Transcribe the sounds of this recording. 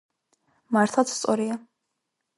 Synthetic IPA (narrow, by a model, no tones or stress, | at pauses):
maɾt̪ʰlˠat̪sʰst̪sʼɔɾia